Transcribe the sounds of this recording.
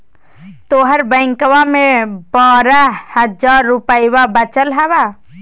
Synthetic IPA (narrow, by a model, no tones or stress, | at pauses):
t̪oːɦəɾbəɪŋkʋamẽbaːɾahəd͡ʒaːɾːupəjwabət͡ʃəlɦɛba